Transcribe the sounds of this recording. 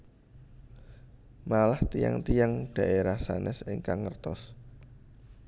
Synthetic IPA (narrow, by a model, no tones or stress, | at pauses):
malaht̪ija̰ŋt̪ijaŋɖ̥ä̤ʔeɾahsanʔɛsɪŋkaŋːərt̪ɔs